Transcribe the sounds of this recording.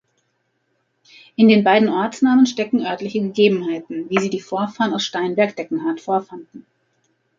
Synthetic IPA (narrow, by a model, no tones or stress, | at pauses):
ʔɪndeːnbaɪdn̩ʔɔɐt͡snaːmənʃtɛkŋ̩ʔœɐtlɪçəɡəɡeːbm̩ɦaɪtn̩viːziːdiːfoːɐfaːʁənaʊsʃtaɪnbɛɐkd̥ɛkŋ̩ɦaɐtfoːɐfandn̩